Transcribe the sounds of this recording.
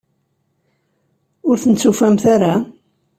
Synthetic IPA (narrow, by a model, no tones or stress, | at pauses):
ʊɾθənt͡sːufæmθaɾa